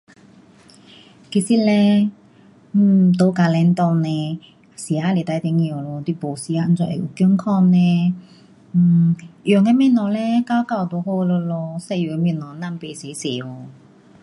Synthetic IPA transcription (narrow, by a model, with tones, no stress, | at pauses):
ki˧˩si˧˥lɛ˧˩ | t̪o˧˦ka˧lɛ˧˦nt̪ɔ˧nɛ̃˧ | si˨a˧˥le˨˩t̪a˧˦t̪e˧˨ŋi˧˨o˨lo˧t̪wi˧˨bo˨˩si˧˦a˧t͡sɔ˧˩ʔḛ˨ʔu˨˩ky˥˧˥ŋkʰɔ˥˧nnɛ̃˧˨˩ | ʔjɔ˨˩˨ŋɛ˧mɛ̃˧˨nɔ˨˩lɛ˧ka˧˥wka˧˩˨wt̪o˨˧˦ho˧lo˧lɔ˧sɛ˧˨ju˨e˧mi˧˨nɔ˨˩nã˧mpe˧˨se˨˦se˨˩o˧˩